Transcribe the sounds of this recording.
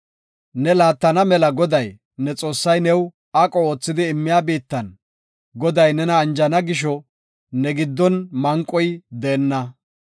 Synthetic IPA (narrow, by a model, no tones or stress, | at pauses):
nɛlaːt̪ːɐnɐmɛlɐɡɔd̪ɐj | nɛt͡sʼo̞ːsːɐjnɛw | ɐkʼɔoːt͡sːɪd̪ɪːmːɪjaːbiːt̪ːɐn | ɡɔd̪ɐjnɛnɐːnd͡ʒɐnɐɡɪʃ̬ɔ | nɛɡɪd̪ːɔnmɐŋkʼɔjd̪ɛːnːɐ